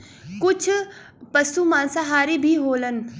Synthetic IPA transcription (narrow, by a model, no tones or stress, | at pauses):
kʊt͡ʃʰ | pɐsumãːnsaɦaːɾibʱiɦoːlən